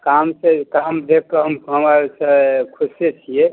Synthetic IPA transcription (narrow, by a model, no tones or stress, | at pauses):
kamsekamd̪ekkəɦəmɦəmaɾsə̃kʰuset͡ʃʰije